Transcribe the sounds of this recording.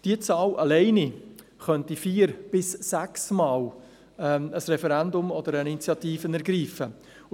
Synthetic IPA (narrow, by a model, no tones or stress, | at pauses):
d̥iət͡sɑːlʔɑlɛɪni | χœntifiːɾb̥ɪsːæksmɑːl | ɛəsɾɛfɛɾænd̪ʊmɔd̪əɾəit͡sjɑt̪iːfənɛɾɡɾiːfə